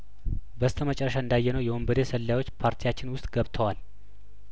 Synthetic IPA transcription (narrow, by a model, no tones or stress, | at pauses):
bəst̪ʰəmət͡ʃʼɛrːəʃaɨnd̪ajːɛnəwjɛwombəd̪esəlːjawo̞t͡ʃːpʰaɾt̪ʰijat͡ʃːɪnwʊst̪ʼɡəβt̪ʰəwal